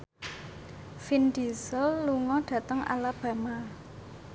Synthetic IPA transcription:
find̪̥isɔlːuŋɔɖ̪̥ä̤t̪əŋa̰lab̥a̤ma

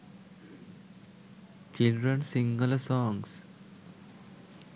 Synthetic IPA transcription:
t͡ʃilɖɾə̃nsĩŋɡəlsɔ̃ːŋs

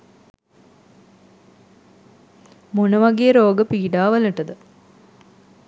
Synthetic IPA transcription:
monəʋɐɡejəɾoːɡəpiːɖaːʋɐləʈəd̪ə

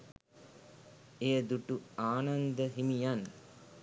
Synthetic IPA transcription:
ejəd̪uʈuaːnand̪əɦimijan

